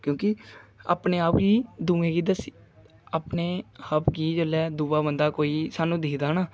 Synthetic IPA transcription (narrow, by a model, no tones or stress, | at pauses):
kjõːkɪa̰ːpneːaːpɡiːd̪ũːẽːɡiːd̪əsi̥ː | aːpneːhəpɡiːd͡ʒəlɛːd̪uːʋaːbənd̪aːkoːiːsaːnũːd̪iːkd̪aːnaː